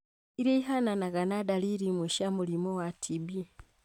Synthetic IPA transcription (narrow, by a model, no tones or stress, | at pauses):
iɾeiɦananaɡanadaliɾimweʃamulimowatʰibi